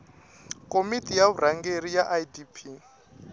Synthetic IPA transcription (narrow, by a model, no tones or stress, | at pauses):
kʼomitʼijaβurʔaŋɡerijaʔajdipʰi